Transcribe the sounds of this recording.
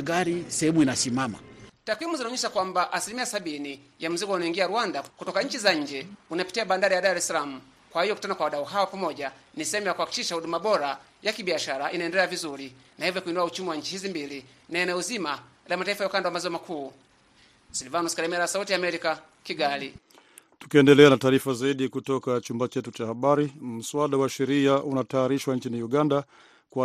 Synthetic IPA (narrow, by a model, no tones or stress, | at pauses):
ɡalisɛhɛmuinasimama̰takwimuzanɔɲɛsakwambaʔasilimiasabini | jam̩zikɔunɔiŋɡialuwandakutɔkaɲ̩t͡ʃizaɲ̩d͡ʒɛunapi̥tiabandaɾijadaɾɛsalamu | kwahijɔku̥tanakwawadauɦaɔpamɔɟanisɛhɛmujakuhaki̥kiʃaudumabɔɾa | jakibiaʃalaʔinaɛndɛlɛavizulinahivjɔkuinduaut͡ʃumiwaɲ̩t͡ʃihizimbili | naɛnɛuzimalamataifajaukandawamazɔɔmakʰuː | silvanuskaɾɛmɛɾaasautiaːmɛɾika | kiɡali | tu̥kiɛndɛlɛanataːɾifazaiɗikutɔkat͡ʃumbat͡ʃɛtut͡ʃahaɓaɾim̩swaɗawaʃɛɾiaʔunataaɾiʃwanɲt͡ʃiniuɡanda | kwa